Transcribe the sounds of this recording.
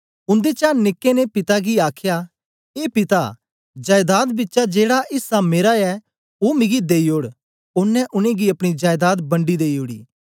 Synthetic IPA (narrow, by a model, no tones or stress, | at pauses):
ʊ̃nd̪et͡ʃaːnɪkːenepɪt̪aɡiaːkʰja | eːpɪt̪a̰ | d͡ʒaːjd̪aːd̪bɪtːʃad͡ʒeːɽaʔɪsameːɾaɛ | oːmɪ̃ɡid̪eːioːɽ | ʊnːɛʔʊnẽɡiɐpɽ̃id͡ʒaːjd̪aːd̪bɐ̃ɳɖid̪eːioːɽḭː